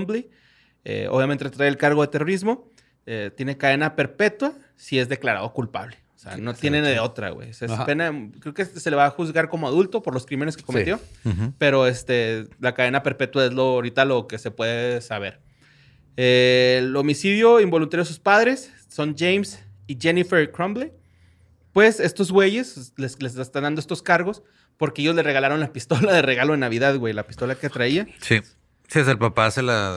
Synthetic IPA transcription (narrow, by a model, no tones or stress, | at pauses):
mbli | ḛo̰βjamẽnt̪et̪ɾajelkaɾɣoðe̞t̪ero̞ɾizmo̞ | et̪je̞nekaðe̞nape̞ɾpe̞t̪wa | sie̞zðe̞klaɾa̰ðo̞kulpa̰βleosea̰not̪jeneðeo̞t̪ɾa̰ɣwḛjsespenakɾeokese̞leβaxuzɣaɾko̞moaðult̪o̞po̞ɾlo̞skɾimene̞skeko̞met̪jo̞pe̞ɾo̞est̪e̞lakaðe̞nape̞ɾpe̞t̪wae̞zlo̞ɾit̪alo̞ke̞se̞pwe̞ðeesaβ̞e̞ɾ | elo̞misiðjo̞imbo̞lunt̪aɾjoesuspaðɾe̞sː | o̞nd͡ʒejmsiʝe̞nifeɾkɾomble | pwe̞se̞st̪o̞zɣwe̞ʝe̞slesles̬eest̪anand̪oest̪o̞skaɾɣo̞s | po̞ɾke̞e̞ʝo̞zlereɣalaɾo̞nlapist̪o̞laðe̞re̞ɣaloenaβ̞iðaðɣwe̞jlapist̪o̞lake̞t̪ɾaiasi | siasaelpapasela